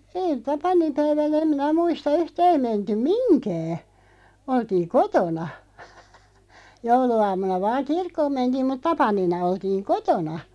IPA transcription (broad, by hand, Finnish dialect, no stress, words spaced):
eːĭ tɑpɑnimpæiʋænæ em minæ muistɑ yhtæː ei mentym̆ minkæː oltiːŋ̆ kotonɑ jouluɑːmˑunɑ ʋɑːŋ kirkːoːm mentiːm mut tɑpɑninɑ oltiːŋ kotonɑ